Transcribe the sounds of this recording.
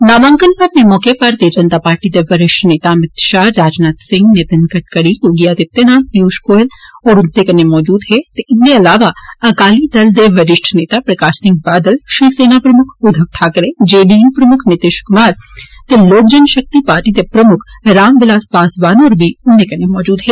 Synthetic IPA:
naːʋãːŋkənpɐɐp̚nemɔːkepaɐɾt̪ed͡ʒɐnt̪aːpaːɾʈit̪eʋɐɾɪʃʈʰneːt̪amɪt̪ʃaːɾaːd͡ʒnaːt̪sɪ̃ŋɡnet̪ənkɐʈ̚kɐɽijoɡijaːt̪ɪt̪ːenãːnjuːʃkoːlɔːɾʊnt̪ekɐnːemɔːd͡ʒuːd̪ɦɛt̪eɪnːeɐlaːʋaɐkaːlid̪ɐld̪eʋɐɾɪʃʈʰneːt̪apɾɐkaːʃsɪ̃ŋɡ̚baːd̪əlʃɾiseːnapɾɐmʊkʰʊd̪ʱəʋʈʰaːkɾẽd͡ʒeːɖiːnpɾɐmʊkʰnɪt̪ɪʃkʊmaːɾt̪eloːk̚d͡ʒɐnʃɐk̚t̪ipaːɾʈit̪epɾɐmʊkʰɾaːmʋɪlaːspaːsbaːnɔːɾbʱiʊnd̪ekɐnemɔːd͡ʒuːd̪ɦɛː

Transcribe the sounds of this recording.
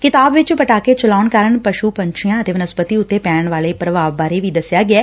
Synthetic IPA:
kɪt̪aːbʋɪt͡ʃpəʈaːket͡ʃəlaːnkaːɾəɳpəʃupəɲt͡ʃʰijãːət̪eːʋənəspət̪iʊt̪ːeːpɛːəɳʋaːleːpɾəʋaːʋbaːɾeʋiːd̪əsɪjaːɡɪɛː

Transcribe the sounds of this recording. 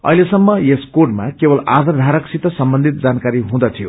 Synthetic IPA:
ʌ̰ilesʌmːʌjeskoʈmakebʌla̰d̪ʱʌrd̪ʱaɾʌksit̪ʌsʌmbʌnd̪ʱit̪̚d͡zankaɾiɦũd̪ʌt̪ʰijo̰

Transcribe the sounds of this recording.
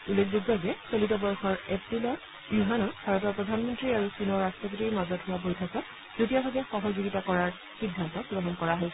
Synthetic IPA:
ulːekʰbik̚bʱaɡɛsolitɔbɔɹxɔɹepɹilɔ | juɦanɔbʱaɹɔtɔɹpɹɔdʱanmɔntɹiaɹusinɔɹːastɹɔpɔtiɹmazɔthʊwabojtʰakɔ | z̥otijabʱabɛxɔɦɔzuɡitakɔɹaɹ | xidʱːantɔpuɹɔɦɔnkɔɹaɦoj

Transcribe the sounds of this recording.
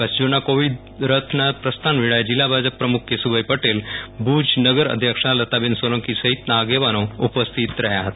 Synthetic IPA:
kəsd͡ʒunakoʋid̪ | ɾət̪ʰnapɾəst̪ʰanʋiɭajd͡ʑilːabʱad͡ʒəpːɾəmukʰjesubəjpəʈelbuːd͡ʒnəɡəɾə̰d̪ʱjəkʂalɐt̪abensoləŋkisɐɦit̪naːɡeʋanoupəst̪ʰit̪ɾɐɦjaɦət̪a

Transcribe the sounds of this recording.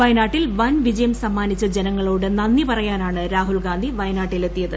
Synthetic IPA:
ɐjɐnaːʈːilʋɐnʋid͡ʑɐjɐmsɐmːaːnit͡ɕːɐd͡ʑenɐŋːɐɭoːɽenɐnːipɐrɐjaːnaːɳɨɾaːɦulɡaːnd̪ʱiʋɐjɐnaːʈːile̞t̪ːijɐðɨ

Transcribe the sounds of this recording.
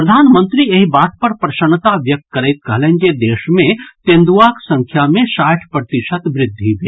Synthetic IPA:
pɾɐd̪ʱaːnmə̃nt̪ɾieɦibaːt̪̚pɐɾpɾɐʃənt̪aʋjɐk̚t̪̚kɐɾɛjt̪̚kɐɦlend͡ʒed̪eːʃmẽt̪ẽnd̪uʋaksɐ̃ŋkʰjamẽʃaːʈʰpɾət̪ɪʃət̪ʋɾɪd̪ʱːibʱeː

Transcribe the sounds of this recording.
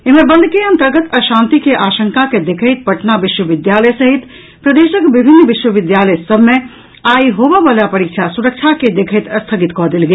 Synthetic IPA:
eɦmẽbə̃nd̪ʱkeɐ̃nt̪əɾɡət̪əʃãːnt̪ikeʔaːʃə̃ŋkaked̪ekʰəjt̪̚pəʈnabɪʃwəʋɪd̪jaləjsəɦit̪ | pɾəd̪eːʃəkbɪbʱɪnːbɪʃwəʋɪd̪jaːləjsəbʱmẽ | aːiɦobəʋalapəɾikt͡ʃʰasuɾək̚t͡ʃʰaked̪ekʰəjt̪əst̪ʰəɡit̪kɔɦd̪eːlɡe

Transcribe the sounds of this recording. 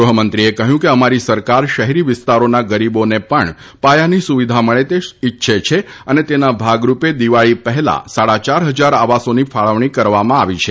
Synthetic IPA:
ɾʊɦəmənt̪ɾiekəɦjũkeəmaɾisəɾkaɾʃəɦeɾiʋɪst̪aɾonaɡəɾibonepəɳ | pajanisuʋid̪ʱaməɭet̪eɪtːʃʰet͡ʃʰe | ənet̪enabʱaɡɾuped̪iʋaɭipəɦɛla̰saɽat͡ʃaɾɦəd͡ʒaɾaʋasonifʰaɭəʋɳ̃ikəɾʋamãaʋit͡ʃʰe

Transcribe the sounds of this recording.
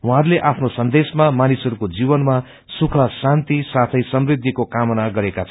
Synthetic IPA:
ũɦaɾleʔapʰnosʌnd̪esmamanisʌɾukod͡zibʌnma | sukʰʌsant̪isat̪ʰʌjsʌmrɾid̪ʱːikokamʌnaɡʌɾekat͡sʰʌ

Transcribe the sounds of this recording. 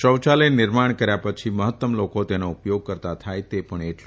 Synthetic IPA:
ʃəwt͡ʃalenɪɾmaɳ̃kəɾjapət͡ʃʰiməɦət̪ːəmlokot̪enoupjoɡ̚kəɾt̪at̪ʰajt̪epəɳeʈl

